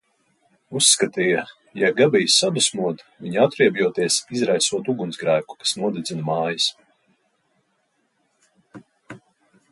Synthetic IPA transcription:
usːkat̪iːja | jaɡabijsad̪usmuɔd̪viɲat̪ɾiɛbʲjuɔt̪iɛsizɾajsuɔt̪uɡunzɡɾæːku̥kḁsnuɔd̪id̪zinmaːjis

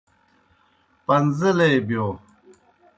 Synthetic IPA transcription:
pɐnzəleːbjoː

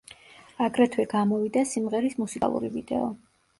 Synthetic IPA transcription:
aɡɾɛt̪ʰwɛɡamɔvid̪asimʁɛɾismusikʼa̰lˠṵɾivid̪ɛ̰ɔ

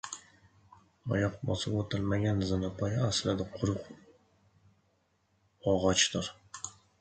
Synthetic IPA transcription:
ɒ̰jɒqmɒ̰sɪbot̪ʰɪlmaɡʲanzɨnapʰɒjaaslad̪aqʰʊɾʊq | ɒʁɒt͡ʃt̪ɪɾ

